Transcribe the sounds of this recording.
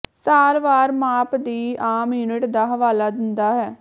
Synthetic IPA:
saːɾʋaːɾmaːpd̪iːaːmjuːnɪʈd̪aːɦəʋaːlaːd̪ɪnd̪aːɦɛː

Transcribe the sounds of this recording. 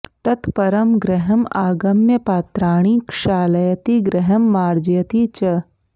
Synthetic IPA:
t̪ɐt̪pɐɾɐmɡɾɐɦɐmaːɡɐmjɐpaːt̪ɾaːɳ̃iːkʃaːlɐjɐt̪iɡɾɐɦɐmːaːɾd͡ʒjɐt̪it͡ʃɐ

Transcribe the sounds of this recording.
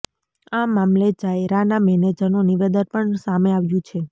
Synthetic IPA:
amamlet͡ʃajɾanamɛned͡ʒənuniʋed̪ənpəɳsameaʋjũt͡ʃʰe

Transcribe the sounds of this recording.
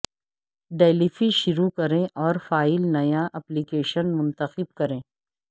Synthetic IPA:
ɖeːlifiʃʊɾukɐɾẽʔɔːɾfaːɪlnɐjaʔɐplikeːʃənmʊ̃nt̪əxɪb̚kɐɾẽː

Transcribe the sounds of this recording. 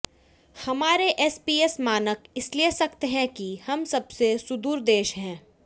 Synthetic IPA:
hɐmaːɾeʔɛːspiːɛsmaːnəkɪsliesɐkt̪eɦɛ̃kihɐmsɐbsesʊd̪uːɾd̪eːʃɦɛ̃ː

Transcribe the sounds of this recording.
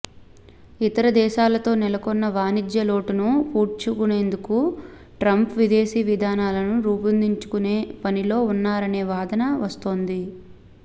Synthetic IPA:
it̪ɐɾɐd̪ɛːʃaːlɐt̪o̞ːnɛlɐkɔnːɐʋaːnid͡ʒ̪jɐlo̞ːʈunupuːɾt͡ʃukune̞ːnd̪uku | ʈɾɐmpʋid̪e̞ːʃiːʋid̪ʱaːnaːlɐnuɾuːpɐnd̪iɲt͡ʃu̥kune̞ːpɐnilo̞ːunːaːɾɐne̞ːʋaːd̪ɐnɐʋɐst̪o̞ːnd̪i

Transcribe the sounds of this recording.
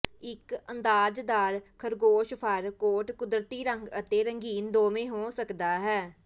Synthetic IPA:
ɪkənd̪aːd͡ʒd̪aːɾkʰəɾɡoːʃpʰəɾkoːʈkʊd̪ɾət̪iːɾəŋɡət̪eːɾəŋɡiːnd̪oːmẽːɦoːsəkd̪aːɦɛː

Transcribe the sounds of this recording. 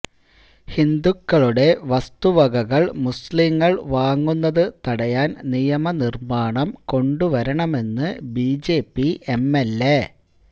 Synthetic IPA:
hind̪ukːɐɭuɽe̞ʋɐst̪uʋɐɡɐɣɐɭmusliŋːɐɭʋaːŋːunːɐðɨt̪ɐɽɐjaːnnijɐmɐnirmaːɳɐmko̞ɳɖuʋɐɾɐɳɐme̞nːɨbiːd͡ʑe̞ːpːie̞mːelːe

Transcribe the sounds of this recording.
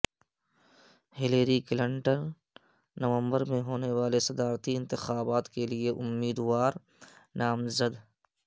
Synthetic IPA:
hɪleːɾiklɪ̃ɳʈənː | ɐʋə̃mbəɾmẽɦoːneʋaːlesɐd̪aːɾt̪iɪ̃nt̪ɪxaːbaːt̪kelieʔʊmːiːd̪waːɾ | naːmzəd̪

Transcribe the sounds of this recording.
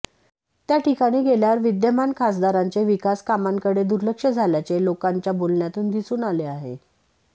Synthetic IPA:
t̪jaʈikaɽ̃iːɡeljaɾʋid̪jəmankʰasd̪aɾaɲt͡seʋikaskamaŋkəɽed̪uɾləkʂəd͡zʱaljat͡selokaɲt͡ɕjabolɳjat̪uːnd̪isuːnaleaɦḛ

